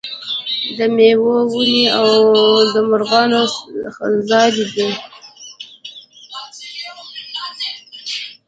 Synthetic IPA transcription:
d̪əmewowuniawwd̪əmʊɾɣɑno | zɑdid̪e

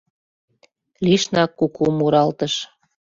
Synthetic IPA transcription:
liʃnɑkːukʰumuɾɑlt̪ə̆ʃ

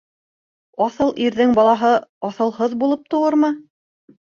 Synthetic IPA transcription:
ɑθɤlˠʔiɾðɘŋbɑlˠɑɦɤɑθɤ̆lˠɦɤðbulˠɤp̚t̪ŏwɤɾmɤ

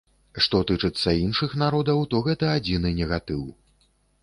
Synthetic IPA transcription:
ʂt̪ɔt̪ɨt͡ʂɨt̪sːɐinʂɨxnaɾɔd̪ɐwt̪ɔɣɛt̪ɐad͡zʲinɨnʲɛɣat̪ɨw

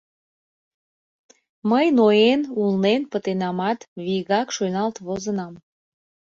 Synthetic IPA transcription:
məjnojenulnenpət̪enɑmɑt̪βiɣɑkʃønɑlt̪βozənɑm

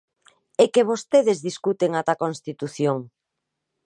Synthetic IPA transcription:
ekeβost̪eðɪzðiskut̪eŋat̪akonst̪it̪uθjoŋ

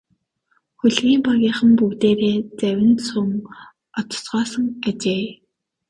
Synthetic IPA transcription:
xɵɮɣiːmpɔɣʲiːχə̆mpuːt̪eːɾeːt͡sæwʲɪ̆nsuŋ | ɔt̪̆sɢɔːsə̆ŋat͡ɕeː

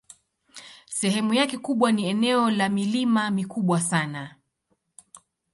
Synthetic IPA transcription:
sɛɦɛmujakɛkuɓwaniɛnɛɔlamilimamikuɓwasana

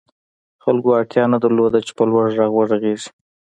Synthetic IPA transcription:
xalɡoaʈjɑnad̪əɾlod̪at͡ʃe̥pəlwaʐːɑɣwaɾaɣeʐi̥

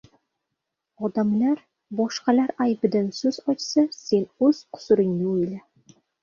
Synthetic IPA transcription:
ɒd̪ɑmlɑɾ | bɒʃqɑlɑɾæjbɘ̆d̪ansɵzɒjt̪sɑsenɵz̥qʰʊ̥sʊɾɪ̆ŋːeɵjlæ

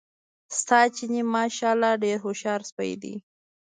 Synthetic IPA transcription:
st̪ɑt͡ʃinimɑʃɑlɑɖeɾɦoʃɑɾspaj̰d̪ḭ

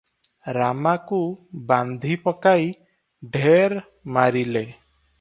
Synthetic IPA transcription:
ɾamakuband̪ʱipɔkaj | ɖʱeɾ | maɾile

